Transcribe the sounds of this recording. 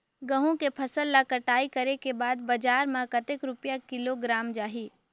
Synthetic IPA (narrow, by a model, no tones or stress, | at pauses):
ɡəɦũkepʰɐsəlːakəʈaːikɐɾekebaːd̪̚bɐd͡ʒaːɾmãkɐt̪ekɾʊpjakɪloɡɾaːmd͡ʒaːɦiː